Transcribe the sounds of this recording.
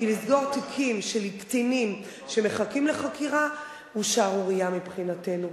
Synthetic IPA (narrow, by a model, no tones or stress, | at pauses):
ilisɡo̞ʁtikʰimʃelikt͡sinim | ʃe̞meχakimleχakʰiʁa | uʃaʁuʁijamipχinate̞nu